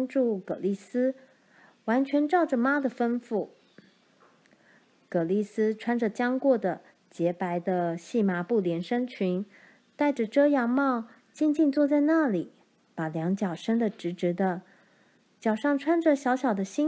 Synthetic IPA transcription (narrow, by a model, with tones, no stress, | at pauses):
nʈ͡ʂu˥˩kɤ˨˩li˥˩sɹ̩˥ | wa˧˥nt͡ɕʰɥɛ˧˥nʈ͡ʂɑ˥˩ʊʈ͡ʂə˩ma˥d̪ə˨fə˥nfu˥˩ | kɤ˨˩li˥˩sɹ̩˥ʈ͡ʂʰwa˥nʈ͡ʂə˨˩t͡ɕjɑ˥ŋkwɔ˥˩d̪ə˩ | t͡ɕjɛ˧˥pa˧˥ɪd̪ə˧ɕi˥˩ma˧˥pu˥˩ljɛ˧˥nʂə˥ŋt͡ɕʰy˧˥n | t̪a˥˩ɪʈ͡ʂə˨˩ʈ͡ʂɤ˥jɑ˧˥ŋmɑ˥˧ʊ | t͡ɕi˥˧nt͡ɕi˥˧nt͡swɔ˥˧t͡sa˥˧ɪna˥˩li˨˩˦ | pa˨˩ljɑ˧˥ŋt͡ɕjɑ˨˩ʊʂə˥ŋd̪ə˨ʈ͡ʂɻ̩˧˥ʈ͡ʂɻ̩˧˥d̪ə˧ | t͡ɕjɑ˨˩ʊʂɑ˥˩ŋʈ͡ʂʰwa˥nʈ͡ʂə˨ɕjɑ˧˥ʊɕjɑ˨˩ʊd̪ə˦ɕi˥